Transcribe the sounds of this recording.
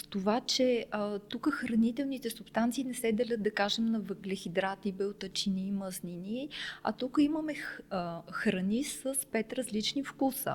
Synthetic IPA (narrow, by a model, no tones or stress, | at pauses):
st̪ovat͡ʃɛt̪ukəxɾɐnit̪ɛlˠnit̪ɛsupst̪ant̪siːnɛsɛd̪ɛlʲət̪̚d̪ɐkaʒɛmnɐvəɡlɛxid̪ɾat̪ibɛot̪ət͡ʃiniːməzniniɛɐ̰t̪ukəiməmɛ | xɾɐnisəspɛt̪ɾəzlit͡ʃnifkusə̰